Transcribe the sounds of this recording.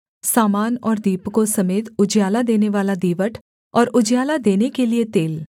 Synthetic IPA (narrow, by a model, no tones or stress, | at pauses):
saːmaːnɔːɾd̪iːpkosɐmeːt̪ʊd͡ʒjaːlad̪eːneʋaːlad̪iːʋəʈʰ | ɔːɾʊd͡ʒjaːlad̪eːnekeliet̪eːl